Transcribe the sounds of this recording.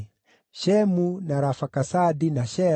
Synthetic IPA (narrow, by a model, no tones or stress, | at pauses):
ʃɛmunaɾafakasadinaʃɛ